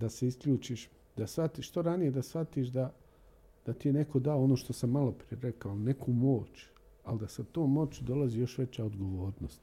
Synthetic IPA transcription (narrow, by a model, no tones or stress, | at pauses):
d̪ase̞iskʎuːt͡ʃiːʃ | d̪asfat̪iʃt̪oɾanije̞d̪asfat̪iːʃd̪a | d̪̥at̪ijene̞ko̞d̪aoonoːʃt̪o̞samːalo̞pɾije̞ɾekaone̞kʰumo̞ːt͡ʃ | ald̪asat̪oːmːo̞t͡ɕud̪o̞laziːjo̞ʃʋe̞t͡ɕaod̪ɡo̞ʋo̞ːɾnost̪